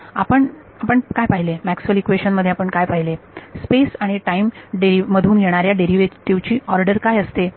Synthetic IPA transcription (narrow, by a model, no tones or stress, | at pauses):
apəɳ | apəɳkajpaɦilemæksʋəlekʋeɕənməd̪ʱːjeapəɳkajpaɦilespesaɽ̃iʈaimɖeɾiməd̪ʱuːnjeɽ̃aɾjaɖeɾiʋet̪iʋt͡ɕiːɔɾɖəɾkajəst̪e